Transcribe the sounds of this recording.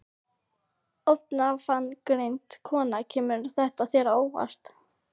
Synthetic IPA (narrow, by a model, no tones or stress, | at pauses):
ɔp̪nafanːkɾejnt̪kʰɔːnacʰɛːmʏɾθɛht̪aθjɛːɾaoːwva̰st̪